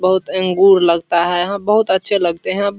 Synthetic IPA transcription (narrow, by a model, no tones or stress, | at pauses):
bəɦʊt̪ə̃ŋɡuːɾləɡt̪aɦɛɦə̃bəɦʊt̪ətːʃʰeləɡ̚t̪eɦɛ̃